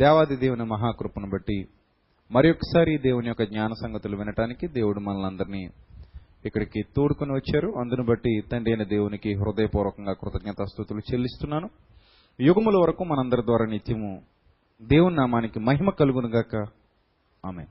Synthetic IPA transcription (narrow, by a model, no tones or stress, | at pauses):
d̪ɛːʋaːd̪id̪e̞ːwunimɐɦaːkɾupɐnubɐʈːi | mɐɾijɔkːɐ̥saːɾid̪e̞ːwunijɔkːɐɡɲaːnɐsɐŋɡɐt̪uluʋinɐʈaːnikid̪e̞ːwuɽumɐnɐlɐnd̪ɐɾiniː | kːɐɽikit̪oːɽukuniʋɐt͡ʃːaːɾuɐnd̪unubɐʈːit̪ɐɳɖiɐjnɐd̪e̞ːwunikiɦɾud̪ɐjɐpuːɾʋɐkɐŋɡaːkɾut̪ɐɡ̚ɲɐt̪ɐst̪ut̪ulut͡ʃelːist̪unːaːnu | juɡɐmulɐʋɐɾɐkuːmɐnɐnd̪ɐɾɐd̪ʋaːɾaːnit̪jɐmu | d̪e̞ːwuninaːmaːnikimɐɦimɐkɐluɡunuɡaːkɐ | aːmḛːn